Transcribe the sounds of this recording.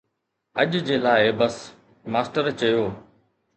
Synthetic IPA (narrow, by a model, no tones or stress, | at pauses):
əʄd͡ʑeːlaːɪbəs | maːsʈəɾt͡ɕɐjoː